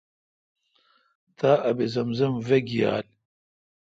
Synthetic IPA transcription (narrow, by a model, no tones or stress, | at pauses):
t̪aːʔɐbezɐmzɐmveɡija̰ːl